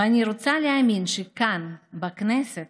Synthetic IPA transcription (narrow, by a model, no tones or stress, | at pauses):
anʲiɾot͡s̪aleamʲinʃekanbɐknɛset̪